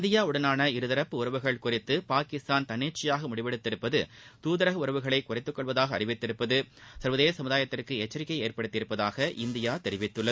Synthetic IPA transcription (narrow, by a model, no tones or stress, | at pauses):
nd̪ɪjaːʊɽɐnaːnɐɪɾɯðɐɾɐpːɯʊrɐʋɯɣɐɭkʊrɪt̪ːɯpaːkɪst̪aːnt̪ɐneːʈt͡ʃɪjaːɣɐmʊɽɪʋɛɽɯt̪ːɪɾɯpːɐðɯt̪uːðɐɾɐɣɐʊɾɐʋɯɣɐɭɐɪkʊrɪt̪ːɯkːɔɭʋɐðaːɣɐɐ̰rɪʋɪt̪ːɪɾɯpːɐðɯsɐɾʋɐðeːjɐsɐmɯðaːjɐt̪ːɪrkɯɛt͡ʃːɐɾɪkːɐɪeːrpɐɽɯt̪ːɪɾɯpːɐðaːɣɐʔɪnd̪ɪjaːt̪ɛɾɪʋɪt̪ːɯɭːɐ